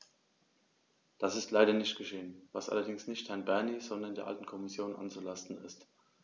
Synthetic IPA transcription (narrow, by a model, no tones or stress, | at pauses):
d̥asɪstʰlaɪɾɐnɪçtɡ̥əʃeːənva̰sʔa̰lɐdɪŋsnɪçthɛɐnbɛɐniz̥ɔndɐndeːɐʔa̰ltn̩kʰɔmɪsjoːnʔa̰nt͡sulastn̩ɪ̰st